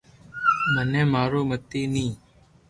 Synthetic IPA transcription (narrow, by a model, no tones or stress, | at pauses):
mənẽːmaːɾoːmət̪eːnĩː